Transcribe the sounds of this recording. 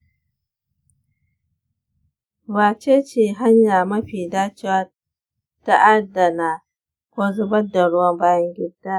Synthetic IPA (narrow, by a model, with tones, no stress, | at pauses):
baː˨t͡ʃe˦t͡ʃeː˨ɦa˦ɲjaː˨mɐ˦ɸiː˨daː˦t͡ʃɪ˦wa˦ | ta˦ʔa˦dːa˨na˨ | kʷoː˦zʊ˦bɐ˦dːa˨ɽʊ˦wɐ˦mbaː˦jɐ˦ŋɡʲɪ˦dːaː˦